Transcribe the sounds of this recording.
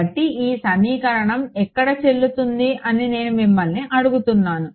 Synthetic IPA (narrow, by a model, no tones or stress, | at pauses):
ɐʈːiiːsɐmiːkɐɾɐɳɐmɛkːɐɽɐt͡ʃe̞ɭːut̪und̪iʔɐnine̞ːnumimːɐlniʔɐɽuɡut̪unːaːnu